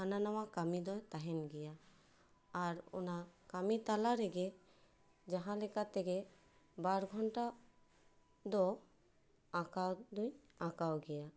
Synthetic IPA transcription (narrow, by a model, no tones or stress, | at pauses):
ananawakamid̪ɔjt̪aɦɛnɡɛjaː | ɾṵnakamit̪alaɾɛɡɛ | d͡ʒaɦãlɛkat̪ɛɡɛ | baɾɡʱɔɳʈa | d̪ɔ | akawd̪uj | akawɡɛja